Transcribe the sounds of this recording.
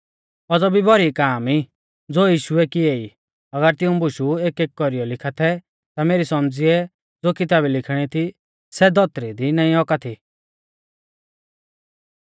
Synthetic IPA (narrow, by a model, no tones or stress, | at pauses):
ɔd͡zɔbibʱɔɾikaːmiː | d͡zoːjiːʃʊɛkiei | ɐɡəɾt̪ɪũbʊʃueːkeːkkɔɾijɔlɪkʰat̪ʰɛ | t̪ameːɾisɔmd͡ziɛ | d͡zoːkɪt̪aːbilɪkʰɽ̃it̪ʰi | sɛd̪ɔt̪ɾid̪inaːĩɔkat̪ʰi